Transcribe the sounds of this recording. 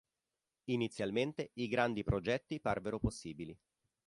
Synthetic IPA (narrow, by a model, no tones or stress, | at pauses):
init̪sːjalment̪eiɡɾand̪ipɾod͡ʒɛt̪ːiparveɾoposːiːbili